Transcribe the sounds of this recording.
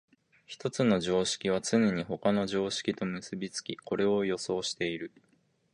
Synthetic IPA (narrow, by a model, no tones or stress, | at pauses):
çi̥t̪o̞t͡sɨno̞ʑo̞ːɕi̥kʲiβ̞at͡sɨne̞ɲ̟iho̞kano̞ʑo̞ːɕi̥kʲit̪o̞mɯ̟sɨbʲit͡sɨ̥kʲiko̞ɾe̞o̞jo̞so̞ːɕi̥t̪e̞iɾɯ̟